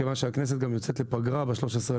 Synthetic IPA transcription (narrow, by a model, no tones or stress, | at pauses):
evanʃeaknɛs̬et̪̚ɡamjot͡sɛt̪lepaɡʁabeʃloʃesʁe